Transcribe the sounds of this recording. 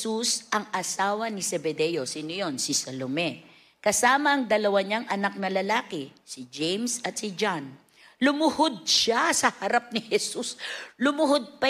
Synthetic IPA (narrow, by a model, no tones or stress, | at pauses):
usʔɐŋʔɐsaːwɐnisɛbɛd̪ɛjosiːnojonsɪsɐlomɛ | kɐsaːmɐɐŋd̪ɐlɐwaɲaŋʔɐnak̚nɐlɐlaːkɪsid͡ʒejmsɐt̪̚sɪd͡ʒan | lʊmʊhod̪̚ʃasɐhɐɾap̚nɪhɛsuslʊmʊhod̪̚pɐ